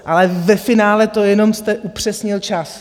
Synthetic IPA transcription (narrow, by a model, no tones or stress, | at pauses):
ʔalɛvɛfɪnaːlɛt̪o̞jɛno̞mst̪ɛʔupr̝̥ɛsɲɪlt͡ʃas